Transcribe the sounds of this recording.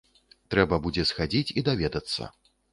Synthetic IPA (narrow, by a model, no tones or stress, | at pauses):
t̪ɾɛbɐbud͡zʲɛsxad͡zʲit͡sʲid̪avʲɛd̪ɐt̪sːɐ̰